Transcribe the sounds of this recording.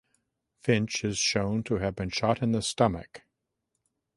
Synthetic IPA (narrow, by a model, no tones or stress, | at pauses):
fɪ̃nt͡ʃɨz̥ʃõʊ̃ntʰɨɨvbɨ̃nʃɑɾɨ̃nðɨstʌmɨ̰k